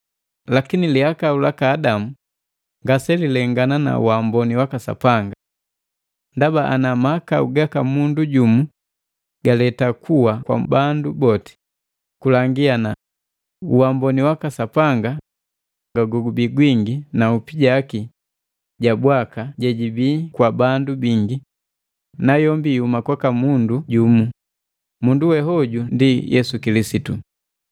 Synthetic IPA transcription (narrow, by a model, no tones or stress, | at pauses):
lakiniliakaulakaːdamu | ŋɡasɛlilɛŋɡanana̰ṵwambɔniwakasa̰paŋɡa | ndabaʔanamaːkaṵɡakamunduɟumu | ɡ̥alɛtakʰuwakwa̰bandubɔti̥ | kulaŋɡiana | uwambɔniwakasapaŋɡa | ɡaɡɔɡubiɡwiŋɡinaupiɟaki | ɟabwakaɟɛɟibiːkwabandubiŋɡi | najɔmbiːumakwakamunduɟumu | munduwɛɦɔɟundijɛsukilisitu